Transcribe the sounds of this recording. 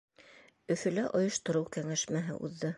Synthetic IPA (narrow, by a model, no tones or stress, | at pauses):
ɵ̆fɵ̆læʔŏjŏʃt̪ŏɾɤwkæŋæʃmæɦɘ̰ʔṵðːɤ